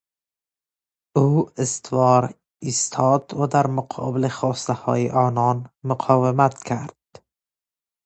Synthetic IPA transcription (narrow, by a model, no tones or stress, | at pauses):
uɪst̪vɒɾ | ist̪ʰɒd̪vad̪aɾmʊqʰɒ̰bɪlɪχɒːst̪ahɒ̰jḭʔɒnɒnmʊqʰɒvɪmat̪kʰaɾd̪̥̚